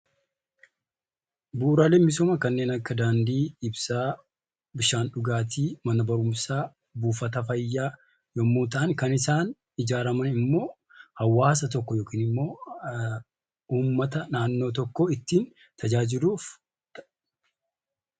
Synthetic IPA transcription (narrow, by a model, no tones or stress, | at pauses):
buːɾalɛmːɪsɔmɐkɐnːe̞ːnɐkːɐd̪aːnd̪iːɪbsaː | bɪʃaːnɗʊɡaːt̪̬ʰiːmɐnɐbɐɾʊmsaː | buːfɐt̪ɐfɐjːaː | jɔmːuːt̪ɐʔɐŋkɐnɪsaːn | ɪd͡ʒaːɾɐmɐnɪmːo̞ː | hɐwːaːs̬ɐt̪̬ɔkːɔjo̞ːkiːnɪmːo̞ː | uːmːɐt̪ɐnaːnːo̞ːt̪ɔkːoːɪt̪ːiːn | t̪ʰɐd͡ʒaːd͡ʒɪluːf | t̪ɐʔ